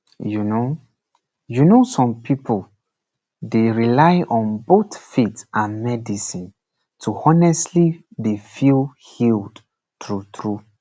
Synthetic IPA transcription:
juno | junosɔ̃mpʰipʰol | deɹilaɪʔɔ̃nboθfitãnmɛdisĩn | tʰuɔnɛstlibefilhild | tɹutʰɹu

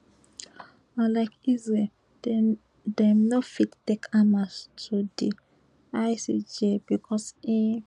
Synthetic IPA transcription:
alaɪkizɹɛl | dɛmnofittekamastʰude | ajsḭd͡ʒebikʰɔsi

